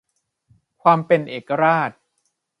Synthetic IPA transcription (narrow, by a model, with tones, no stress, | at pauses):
kʰwaː˧mpe˧nʔeː˨˩kːa˧ɾaː˥˩t̪̚